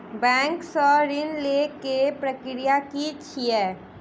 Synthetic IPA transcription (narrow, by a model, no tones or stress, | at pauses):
bɛ̃ːŋksɔɾɪnlekepɾəkɾijakit͡ʃʰiɛː